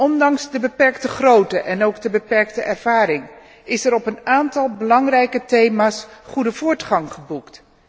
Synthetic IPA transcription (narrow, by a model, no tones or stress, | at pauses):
ʔɔndɑŋsdəbəpɛɹktəχrowtəʔɛnowɡdəbəpɛɹk̚təʔɛɹv̥aːrɪŋ | ɪsɛɾɔpənaːntɑlˠbəlɑŋrɛjkətejmaːsχudəv̥ʊːɹtχɑŋχəbukt